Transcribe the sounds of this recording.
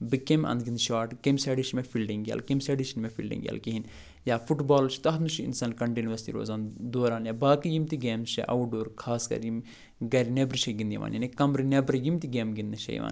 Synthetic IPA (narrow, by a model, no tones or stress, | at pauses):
bɨkemɐ̰̃nd̪ɡind̪ʃaːʈkemʲseːɖiʃɐnmefʰilɖiŋɡʲa̰ːlkemseɖiʃɐnmefʰḭlɖḭ̃ŋɡʲjḛlkiɦin | jaːpʰuʈbaːlt͡ʃʰi̥t̪ɐɦnuʃiḭnsaːnkɐɳʈinʋɐst̪ḭɾo̰ːzaːnd̪oːɾaːnjaːbaːkijimt̪iɡeːmʃḛʔɐwuɖoːɾkʰaːskɐ̰ɾjim | ɡɐɾinebɾiʃɐɡind̪iʋa̰ːnjaːnikɐmɾinebɾijimt̪iɡeːmɡind̪ɨʃɐ̰j̰ʋa̰ːn